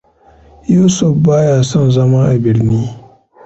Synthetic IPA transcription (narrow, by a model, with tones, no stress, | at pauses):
juː˦sʊ˨fbaː˦jaː˨sɔ˦nzɐ˦ma˦ʔa˨bɪ˨ɾniː˦